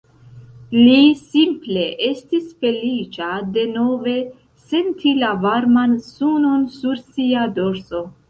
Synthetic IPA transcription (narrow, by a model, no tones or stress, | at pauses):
lisimple̞ʔe̞stisfe̞lit͡ʃade̞no̞ve̞ | se̞ntʰilavaɾmansuno̞nsuɾsiado̞ɾso̞